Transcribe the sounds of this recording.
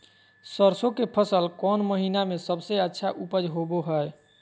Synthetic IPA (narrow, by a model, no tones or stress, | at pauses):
səɾsõkepʰəsəlkɔnməɦinamesəbseətːʃʰaʔupəd͡ʒɦoboɦəj